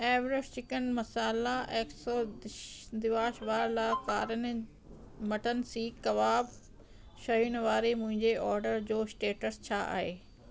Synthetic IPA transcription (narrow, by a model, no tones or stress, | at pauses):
ɛːʋɾɪʃt͡ɕɪkənmɐsaːlaeːksoːdd̪ɪʋaːʃʋaːɾlaːkaːɾənɪ | mɐʈʰənɪ̆siːkɐʋaːb | ʃɐɦʊnʋaːɾemʊ̃ɦɪ̃ɲd͡ʑeʔɔːɾɖəɾd͡ʑoːsʈeːʈəst͡ɕʰaːʔa̰ːɦeː